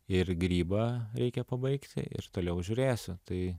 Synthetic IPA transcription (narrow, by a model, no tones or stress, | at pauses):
ɪrɡɾʲiːbɐɾʲɛɪkʲɛpɐbɐɪkt̪ʲɪ̰ɪ̰rt̪oːlʲɛʊʒʲʊːɾʲeːsʲʊt̪ɐɪ